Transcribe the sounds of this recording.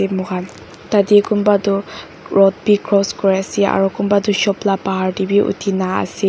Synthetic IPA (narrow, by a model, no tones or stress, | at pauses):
ɛmɔɡan | tadikunbadʊ | ɹɔt̚bikɹɔskɔɹiasia̰ɹukunbaduʃɔplapaɦaɹdibiʔṵtʰinaa̰sɛ